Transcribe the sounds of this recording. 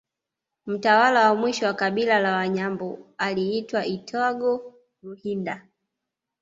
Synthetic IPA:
m̩tawalawamwiʃɔwakaɓilalawaɲambɔaliitwaʔitʰɔɡɔ | luhinda

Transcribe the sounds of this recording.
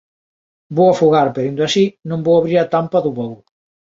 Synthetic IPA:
bowafuɣaɾpeɾind̪oasinõmbowaβɾiɾat̪ampɐðuβow

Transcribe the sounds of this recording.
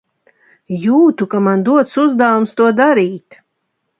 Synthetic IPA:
juːt̪ukamand̪uɔt̪suzd̪avumst̪uɔd̪aɾiːt̪

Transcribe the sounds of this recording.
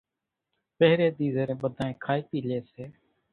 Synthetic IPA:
pəɦɾeːɗ̪iːzəɾẽːɓəd̪ʱaːẽːkʰaːiːpiːleːseː

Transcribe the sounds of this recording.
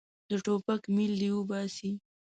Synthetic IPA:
d̪̥əʈopakmild̪iwəbɑsi

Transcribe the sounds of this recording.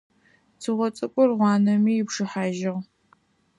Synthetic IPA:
t͡sʰɨʁʷɔt͡sʼɨkʷʼʊrʁʷɑːnɐmiːjɪpʂɨħaːʒɐʁ

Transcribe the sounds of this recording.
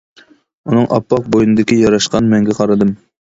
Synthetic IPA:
unɨŋʔɑ̰pːɑq̚bojunɨd̪ɪkʲijɑɾɑʃqɑnmɛŋɡʲɛqʰɑɾɨd̪ɨm

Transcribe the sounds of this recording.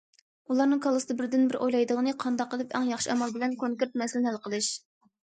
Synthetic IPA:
ulˠɑɾnɨŋkʰɑlˠɨsɨd̪ɨbɪɾd̪ynbɪɾʔojlˠɑjd̪əʁənɨqʰɑnd̪ɑqːɑd̪ɪpʰɛŋjɑχʃiɛmɑlˠbɪlɛnkʰoŋkʲeɾt̪̚mɛsɪlɪnælˠqəlˠɨʃ

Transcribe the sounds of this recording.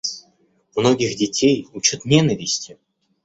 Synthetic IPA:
mno̞ɡʲɪxdʲɪtʲejut͡ɕʊt̪nʲenəvʲɪsʲtʲɪ

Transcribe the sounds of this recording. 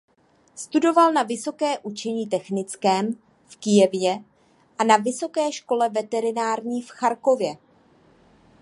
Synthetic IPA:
st̪udo̞valnavɪso̞kɛːʔut͡ʃɛɲiːt̪ɛxnɪt͡skɛːm | fkɪjɛvjɛ | ʔanavɪso̞kɛːʃko̞lɛvɛt̪ɛɾɪnaːɾɲiːfxaɾko̞vjɛ

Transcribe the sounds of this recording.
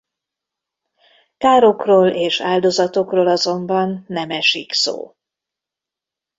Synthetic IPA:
kaːɾokroːleːʃaːld̪o̞zɒt̪o̞kroːlɒzo̞mbɒnːɛmɛʃikso̰ː

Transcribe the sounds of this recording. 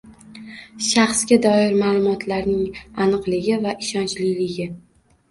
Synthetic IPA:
ʃaχsɡʲad̪ɒɪɾmaːlˠʊmɒt̪ʰlaɾnɪŋanɨqlˠɪɡʲɪvaʔɪʃɒnt͡ʃlɪjlɪɡʲɪ

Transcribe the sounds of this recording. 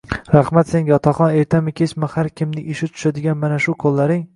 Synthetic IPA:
ɾaχmat̪seŋɡʲaɒt̪ʰaχɒne̞ɾt̪ʰamɪkʲʰet͡ʃmɪhaɾkʲɪmnɪʔɪʃɪt̪ʰʊ̥ʃad̪ɪɡʲanmanaʃʊqʰolˠːaɾɪŋ

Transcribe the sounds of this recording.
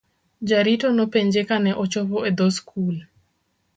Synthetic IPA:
d͡ʒaɾitonopeɲd͡ʒekanɛʔot͡ʃɔpɔed̪oskʰul

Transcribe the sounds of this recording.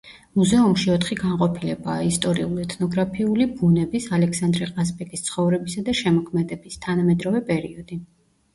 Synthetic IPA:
muzɛumʃiɔt̪ʰχiɡaɴqʼɔpʰilɛbaːist̪ʼɔɾiulˠɛt̪ʰnɔɡɾapʰiulibunɛbisalɛksand̪ɾɛqʼasbɛkʼist̪sʰχɔvɾɛbisad̪aʃɛmɔkʰmɛd̪ɛbist̪ʰanamɛd̪ɾɔvɛpʼɛɾiɔd̪̥i

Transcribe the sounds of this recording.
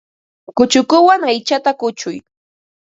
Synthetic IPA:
kʊt͡ʃʊkʊwaŋajt͡ʃat̪akʊt͡ʃʊj

